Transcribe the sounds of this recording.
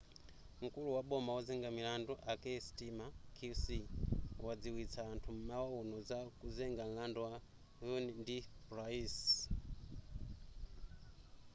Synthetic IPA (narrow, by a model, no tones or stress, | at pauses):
ŋ̩kuluwaɓɔmawazɛŋɡamilandɔʔakɛstimakʰusiwad͡ziwit͡sʰaːntʰum̩mawaɔnɔd͡zakuzɛŋɡan̩landɔwa | junindiprais